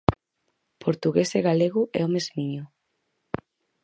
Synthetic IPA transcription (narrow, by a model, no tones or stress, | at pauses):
pʰoɾt̪uɣeseɣaleɣʊʔɛ̰omezmiɲʊ